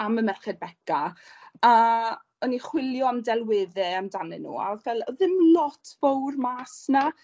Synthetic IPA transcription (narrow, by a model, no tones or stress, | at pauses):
aməmɛrχɛd̚bɛka | a | ɔniχwɪlˠjɔamdɛlˠwɪːðɛamdanɛ̰nṵːa̰vɛlˠɔðɪmlˠɔtʰvowrmaːsna